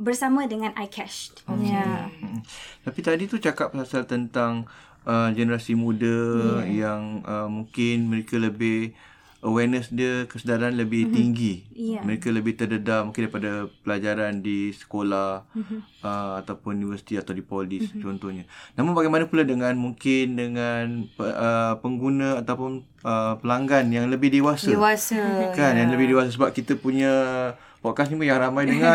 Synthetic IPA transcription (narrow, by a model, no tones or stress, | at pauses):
bərsamãdəŋãnʔa̰jkʰɛʃam̩t̪apit̪adit̪ut͡ʃakap̚sasalt̪ənt̪aŋ | əmd͡ʒənəɾasimũdəjaŋʔəmuŋkɪnməɾekaləbɪh | awɛrnəsdiəkəsədaɾaanləbɪht̪iŋɡiməɾekaləbɪht̪ərdədaʔ̚muŋkɪndaɾipadapəlad͡ʒaɾandisə̥kolah | əat̪apʊnunivərsi̥t̪iat̪awdipolɪst͡ʃɔnt̪ɔhɲənamʊŋbaɡajmanəpuladəŋanmuŋkɪndəŋanəəpəŋɡunəat̪awpʊn | əpəlaŋɡanjaŋləbɪhdewasdəewasakanjaŋləbɪdewas̬əs̬əbap̚kit̪əpuɲə | pɔkas̬ɲimujaŋramajdəŋa